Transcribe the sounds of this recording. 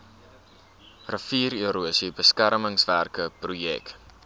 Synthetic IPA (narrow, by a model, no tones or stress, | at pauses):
rəfiːryəɾuəsibəskærməŋsværkəprujɛ̰k